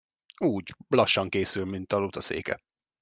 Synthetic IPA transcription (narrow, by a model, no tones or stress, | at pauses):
uːɟlɒʃːɒŋkeːsylmint̪ɒlut̪ɒsḛːkɛ̰